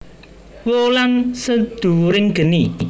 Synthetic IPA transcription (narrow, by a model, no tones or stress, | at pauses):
wolansəd̪̥ṳɾɪŋɡ̥ə̤ni